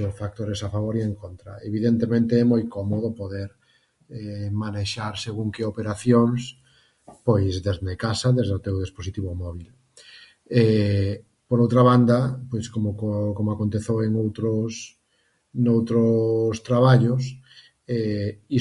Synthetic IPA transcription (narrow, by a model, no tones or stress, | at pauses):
ofak̚t̪oɾesafaβoɾieŋkont̪ɾɐ̰eβiðent̪emẽnt̪eɛmojkomoðopoðeɾ | ɛmaneʃaɾseɣuŋkeopeɾaθjoŋs | pojzðezðekasaðezðeot̪ewðisposit̪iβomɔβ̞il | ɛ | poɾowt̪ɾaβ̞and̪ɐpojskomokomoakont̪eθeweŋowt̪ɾos | nowt̪ɾost̪ɾaβaʎʊs | ɛi